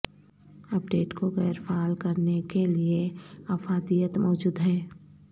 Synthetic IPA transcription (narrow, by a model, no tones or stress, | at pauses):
ɐp̚ɖeːʈkoɣɛːɾfaːlkɐɾnekelieɐfaːd̪ijət̪mɔːd͡ʒuːd̪ɦɛː